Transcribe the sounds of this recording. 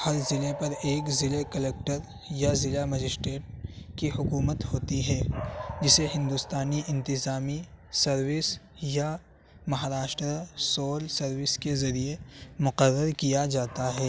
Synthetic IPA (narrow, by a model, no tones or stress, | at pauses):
hɐɾzɪlepɐɾeːkzɪlekɐleːk̚ʈəɾ | jazɪlamɐd͡ʒɪsʈɾeːʈ̚kiɦʊkuːmət̪hoːt̪iɦɛːd͡ʒɪseɦɪ̃nd̪ʊst̪aːniʔɪ̃nt̪ɪzaːmisɐɾwɪs | ja | mɐɦaːɾaːʃʈɾasoːlsɐɾwɪskezɐɾiemʊqəɾːəɾkijad͡ʒaːt̪aɦɛː